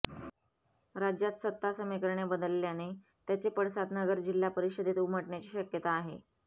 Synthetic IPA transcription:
ɾad͡ʑjat̪sət̪ːasəmikəɾɳjabəd̪əlːjane | t̪jat͡sepəɽsat̪nəɡəɾd͡ʑilːapəɾiɕəd̪et̪uməʈɳjat͡ɕiːɕəkjət̪aːɦe

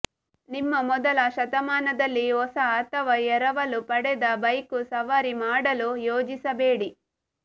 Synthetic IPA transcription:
nimːɐmɔd̪ɐlɐʃɐt̪ɐmaːnɐd̪ɐlːiɦɔsɐaːt̪ɐʋɐɛɾɐʋɐlupɐɽɛd̪ɐbɐjkusɐʋɐːɾimaːɽɐlujoːd͡ʒisɐbeːɽi

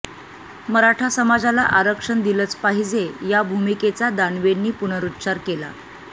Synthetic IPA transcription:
məɾaʈʰasəmad͡zala̰ʔaɾəkʂəɳd̪ilət͡spaɦid͡zejabʱumiket͡sad̪aɳʋenːiːpunəɾut̪ːɕaɾkela̰

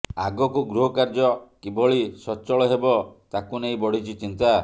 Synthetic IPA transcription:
aɡɔkuɡɾuɦɔkaɾd͡ʒɔkibɔɭisɔt͡ʃɔɭɔɦebɔt̪akunejbɔɽ̤it͡ʃʰit͡ʃint̪a

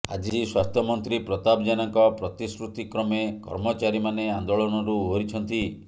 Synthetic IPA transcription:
a̰d͡ʒiswast̪ʰɔmɔnt̪ɾipɾɔt̪abd͡ʒanaŋkɔpɾɔt̪iskɾut̪ikɾɔmekɔ̰ɾmɔt͡ʃaɾimaneand̪oɭɔnɔɾuɦoɾit͡ʃʰɔnt̪i

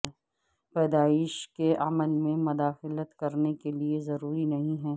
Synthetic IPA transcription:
pɛːd̪aːɪʃkeʔɐməlmẽmʊd̪aːxɪlət̪kɐɾnekeliezɐɾuːɾinɐɦĩɦɛː

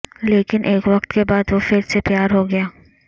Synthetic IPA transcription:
leːkɪnʔeːkʋɐqt̪kebaːd̪ʋofɪɾsepjaːɾɦoɡɐjaː

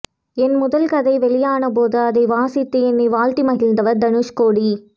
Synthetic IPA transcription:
ɛnmʊðɐlkɐðɐɪʋɛɭɪjaːnɐp̬oːðɯɐðɐɪʋaːsɪt̪ːɯɛnːiʋaːlt̪imɐɣɪlnd̪ɐʋɐɾd̪ɐnɯʂkoːɽi

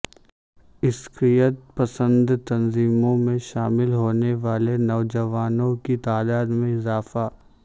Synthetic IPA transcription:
ɪskɾijət̪̚pɐsə̃nd̪t̪ɐnziːmõmẽʃaːmɪlɦoːneʋaːlenɐːd͡ʒɐʋaːnõkit̪aːd̪aːd̪mẽɪzaːfaː

